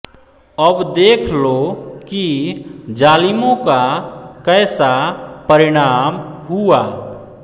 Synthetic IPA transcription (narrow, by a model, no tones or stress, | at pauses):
əbd̪ekʰlokid͡ʒalimõkakəɪsapəɾiɽ̃amɦua